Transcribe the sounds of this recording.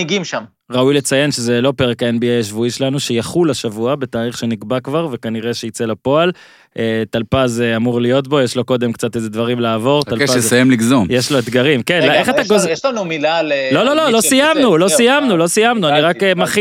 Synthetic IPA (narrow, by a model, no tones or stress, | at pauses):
iɡimʃam | ʁaujle̞t͡saje̞nʃe̞ze̞lo̞pe̞ʁekae̞nbiejaʃvuiʃelanuʃejaχulaʃavuabe̞taːliχʃe̞niɡbakvaʁve̞kaniʁe̞ʃeit͡se̞lapo̞al | ʔet̪alpazeamuʁlijo̞t̪̬bo̞jeʃlo̞ko̞d̪e̞mkt͡sat̪ezed̪vaʁimlaːvo̞ʁt̪alpajemliɡzomjeʃlo̞et̪ɡaʁimkenleχat̪aɡozʃlanumilallo̞lo̞lo̞lo̞sijamnulo̞sijamnulosijamnuaniʁakmaχ